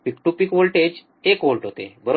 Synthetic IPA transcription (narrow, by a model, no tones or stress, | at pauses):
pikʈupikʋolʈed͡ʑ | ekʋolʈɦot̪ḛbəɾ